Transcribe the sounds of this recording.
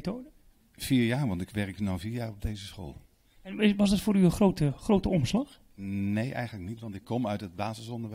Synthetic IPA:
toːdə | v̥iːɹjaːɹʋɑntɪkʋɛɹknɔwviːɹjaːɹɔb̚dejzəsχo̰ːlˠ | ɛnɪʋɑzdɑtfʊːɾyənχrowtəχrowtəɔmslɑχ | nejʔɛ̰jχənləknitʋɑntɪkːɔmœɥtɦəd̚baːzəsɔndəɹʋɛ

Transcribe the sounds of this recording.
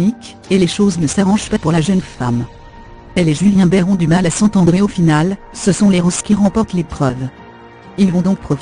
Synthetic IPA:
ik | eleʃoznəsaʁɑ̃ʒpapuʁlaʒənfam | ɛlɛʒyljɛ̃bɛʁɔ̃d̪ymalasɑ̃t̪ɑ̃d̪ʁeofinalsəsɔ̃leʁɔskʲiʁɑ̃pɔʁt̪lepχœv | ilvɔ̃d̪ɔ̃k̚pχɔf

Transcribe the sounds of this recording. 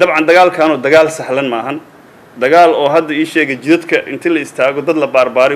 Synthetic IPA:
d̪ɐbʕɑnd̪ɐɣaːlkʰaːnɔːd̪ɐɣaːlsɐħlɐnmɐːɦɐn | d̪ɐɣaːlɔːɦɐd̪ːɐiːʃɛːɣɛt͡ʃɪɾɐd̪kʰɐʔɪ̰nt̪ʰɪlɐɪst̪ʰaːɣɔd̪ɐd̪lɐbaːrbaːɾɪ

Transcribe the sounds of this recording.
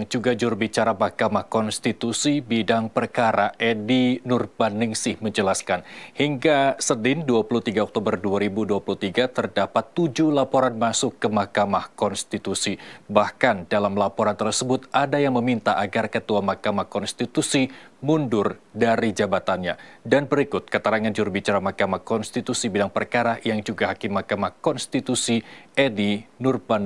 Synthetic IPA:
ŋd͡ʒuɡad͡ʒuɾbit͡ʃaɾamahkamahkɔnst̪it̪usibidaŋpərkaɾaʔedinʊrbanɪŋsɪhməɲd͡ʒəlaskanhiŋɡasənɪnduapulut̪iɡaɔk̚t̪obərduaɾibuduapuluht̪iɡat̪ərdapat̪ːud͡ʒulapoɾanmasʊkːəmahkamahkɔnst̪it̪usibahkandalamlapoɾant̪ərsəbʊt̪̚ʔadajaŋməmint̪aʔaɡarkət̪uamahkamahkɔnst̪it̪usimundʊrdaɾid͡ʒabat̪anɲadanbəɾikʊt̪̚kət̪əɾaŋand͡ʒuɾubit͡ʃaɾamahkamahkɔnst̪it̪usibidaŋpərkaɾajaŋd͡ʒuɡaɦakɪmːahkamahkɔnst̪it̪usiʔɛdinurban

